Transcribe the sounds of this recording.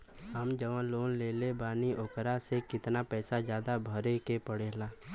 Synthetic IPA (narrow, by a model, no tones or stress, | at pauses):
ɦəmd͡ʒəʋənloːnleːlebaːnioːkɾasekɪt̪napɛːsad͡ʒjaːd̪abʱəɾekepəɽ̤eːlaː